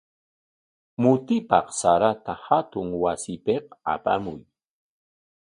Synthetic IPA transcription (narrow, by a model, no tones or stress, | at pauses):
mʊt̪ɪpɑ̰qsaɾat̪ahat̪ʊŋwasɪpeqa̰pamʊj